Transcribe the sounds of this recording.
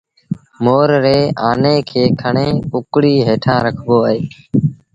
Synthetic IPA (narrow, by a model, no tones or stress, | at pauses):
moːɾɾeːaːneːkʰeːkʰəɳẽːpʊkɽiːɦeːʈʰãːɾəkʰboːɦeː